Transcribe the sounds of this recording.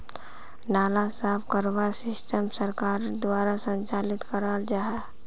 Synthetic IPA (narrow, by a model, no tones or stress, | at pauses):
naːlasaːpʰkəɾwasɪsʈəmsəɾkaːɾd̪waːɾasə̃nt͡ʃaːlɪt̪kəɾaːld͡ʒaɦɛ